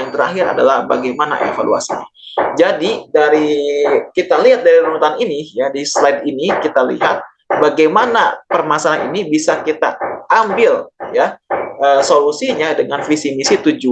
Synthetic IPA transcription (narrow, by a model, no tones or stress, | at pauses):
aŋt̪əɾa̰ɦɪɾa̰da̰lahba̰ɡajmana̰ʔḛfa̰lṵa̰siɲa | d͡ʒadidaɾikit̪aliɦat̪̚daɾiɾumt̪aninijadislajd̪inikit̪alḭɦat̪̚ | baɡajmanapərmasaanḭnibisakit̪a̰ʔambɪljaʔəːsolusiɲadəŋanfisimisit̪ud͡ʒu